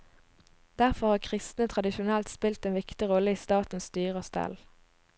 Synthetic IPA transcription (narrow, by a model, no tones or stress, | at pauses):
d̪̥æʁfɔʁhɑːʁkʰʁɪst̪nət̪ʰʁɑd̪ɪʃʊnɛlt̪spɪlt̪eːnʋɪkt̪ɪʁɔləiːst̪ɑːt̪n̩st̪yːʁəst̪ɛ̰l